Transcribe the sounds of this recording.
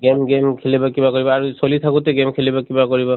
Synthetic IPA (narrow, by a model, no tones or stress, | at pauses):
ɡemɡemkʰelibakibakɔɹibɔaɹusolit̪ʰakutɛɡemkʰelibakibakɔɹibɔ